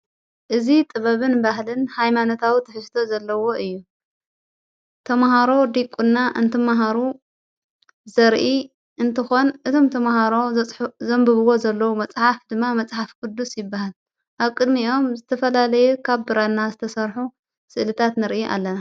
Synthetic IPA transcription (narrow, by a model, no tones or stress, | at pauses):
ʔɨzit̪ʼɨβɐβɨnbaɦlɨnhajmanot̪ʰawit̪ʰɨħɨst̪ʰo̞zɐlːɐwo̞ʔɨjːu | t̪ʰɐmhaɾo̞d̪ikʼunːaʔɨ̰nt̪ʰɨmaɦaɾu | zɐɾʔi | ʔɨnt̪ʰɨxo̞nʔɨt̪ʰo̞mt̪ʰɐmhaɾo̞zɐmbɨβɨwo̞zɐlːɐwumɐt͡sʼħafd̪ɨmːamɐt͡sʼħafkʼɨd̪ːusjɪbːahal | ʔaβkʼɨd̪miʔo̞mzɨt̪ʰɐfɐlalɐjukʰaβbɨɾanːazɨt̪ʰɐsɐɾħu | sɨʔlɨt̪ʰat̪nɨɾʔɨuʔa̰lːɐna